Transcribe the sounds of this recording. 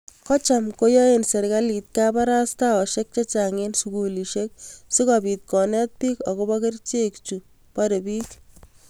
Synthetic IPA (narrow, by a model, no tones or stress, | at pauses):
kɔt͡ʃamkojɔenseɾkalit̪̚kapaɾastaɔʃek̚t͡ʃet͡ʃaŋensukuliʃek̚sɪkɔpit̪̚kɔnɛt̪̚piːkɔkobakert͡ʃekt͡ʃu | paɾebiːk